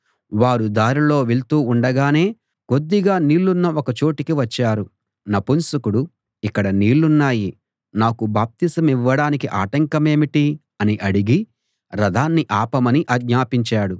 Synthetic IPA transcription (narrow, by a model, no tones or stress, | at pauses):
ʋaːɾud̪aːɾilo̞ːʋiɭt̪uːuɳɖɐɡaːne̞ː | ɡo̞d̪ːiɡaːniːlːunːɐɔkɐt͡ʃo̞ːʈikiʋɐt͡ʃːaːɾu | nɐpunsukuɽu | ikːɐɽɐniːɭːunːaːji | naːkubaːp̚t̪isɐmiʋːɐɽaːnikiʔaːʈɐŋkɐme̞ːmiʈi | ɐniʔɐɽiɡi | ɾɐd̪ʱaːnːiʔaːpɐmɐniʔɐɡɲaːpiɲt͡ʃaːɽu